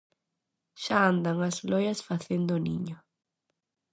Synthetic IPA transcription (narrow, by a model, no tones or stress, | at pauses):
ʃaand̪aŋazlɔjɐsfaθend̪ʊniɲʊ